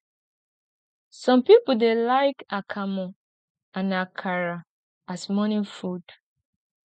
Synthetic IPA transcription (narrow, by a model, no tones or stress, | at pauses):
sɔ̃mpipudelaɪkakʰamɔ̃ | ãnakʰaɹa | asmɔnifud̥